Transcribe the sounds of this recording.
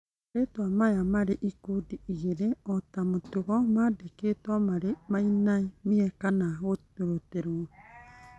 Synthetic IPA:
ɾetwamajamaɾeʔikudiiɣeɾeɔtamotuɣɔmadeketwamaɾemainaimiɛkanaɣotoɾoteɾo

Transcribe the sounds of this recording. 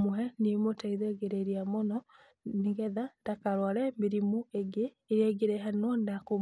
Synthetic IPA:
moɦɛnimotaiðɛɡeɾeɾiamɔnɔ | niɡɛðad̥akaɾwaɾɛmeɾimueɡeːɾɛɡeɾɛɦanwɔdako

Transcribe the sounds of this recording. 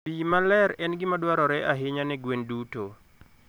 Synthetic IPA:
imalɛɾɛnɡɪmadwaɾɔɾɛʔaɦɪɲanɛɡwenduto

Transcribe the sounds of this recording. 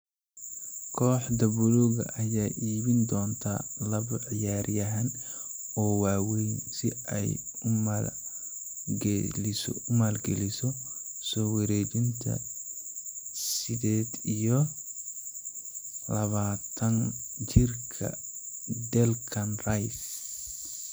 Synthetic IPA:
kʰɔːħd̪ɐβʊlɔɣɐ̰ʔɐjaːʔiːβɪnd̪ɔːnt̪ʰa̰ːlɐβɐʕɪjaːrjɐɦan | ɔːwɑːwɛjnsɪ̰ɛ̰jʊm | ɡɛlɪsʊmaːlɡɛlɪsɔ | sɔːwɐɾɛːt͡ʃɪnt̪ʰɐ̰ | sɪd̪ɛːd̪ijɔ | lɐβaːt̪ʰɐnt͡ʃɪrkʰɐ̰ | d̪ɛlkʰɐnrajs

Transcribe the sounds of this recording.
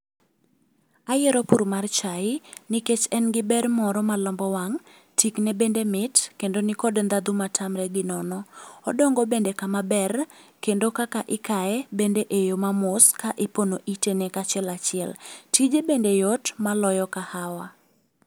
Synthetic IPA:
ajɛɾɔpuɾmart͡ʃaɪniket͡ʃɛnɡɪbɛrmɔɾɔmalɔmbɔwaŋ | tʰiknebendemɪtkendonɪkɔdnd̪ad̪umatʰamɾɛɡɪnɔnɔɔdɔŋɡɔbendekamabɛrkendokakaʔɪkaɛbendeʔejomamʊskaʔɪponoʔitenɛkat͡ʃɛlat͡ʃɪɛltid͡ʒebendejotmalɔjɔkahawa

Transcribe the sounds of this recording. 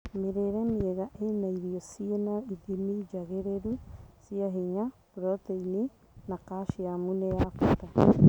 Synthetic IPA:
meɾeɾɛmieɣaʔenaiɾiosienaiðimid͡ʒaɣeɾeɾusiaɦiɲapɾɔteini | nakaʃiamunejakuta

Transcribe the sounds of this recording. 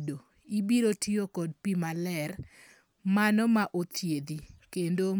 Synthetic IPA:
do | ibiɾotiokɔd̚pimalɛr | manɔmaʔot̪ʰjed̪ikendo

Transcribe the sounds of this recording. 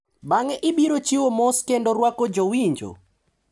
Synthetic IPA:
baŋɛʔɪbiɾot͡ʃiwomɔskendoɾwakod͡ʒowiɲd͡ʒo̰

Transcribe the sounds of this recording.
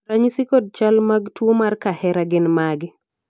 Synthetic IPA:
raɲisikod̚t͡ʃalmaɡtwomarkahɛɾaɡɪnmaɡɪ

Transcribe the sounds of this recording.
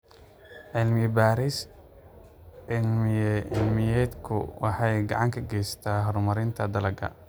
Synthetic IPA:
ʕɪlmɪjbaːɾis | ʕɪlmɪjɛɪlmɪjɛːd̪kʰʊ̰wɑħɑjɡɑ̰ʕɑŋkʰɐɡɛjst̪ʰaːɦɔɾmɐɾɪnt̪ʰɐd̪ɐlɐɡɐ̰

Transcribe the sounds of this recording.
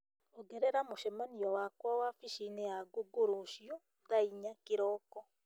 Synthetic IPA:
oɡeɾeɾamoʃɛmaniɔwakwawafiʃineaɡoɡoɾoʃjɔ | ðaiɲakiɾɔːkɔ

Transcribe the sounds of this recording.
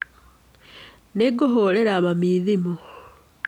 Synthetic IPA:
neɡoɦoleɾaːβamiːðimo

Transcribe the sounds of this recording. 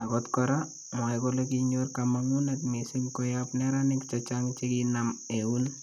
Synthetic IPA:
akɔtkɔɾa | ŋajkolekiɲorkamaŋunatmisɪŋkɔjapnɛɾanɪkt͡ʃɔt͡ʃaŋt͡ʃekinameun

